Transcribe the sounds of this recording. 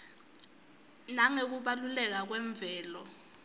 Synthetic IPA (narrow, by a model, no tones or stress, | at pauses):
naŋek̬uɓalulɛk̬ak̬wɛɱb̪vʱɛːlɔ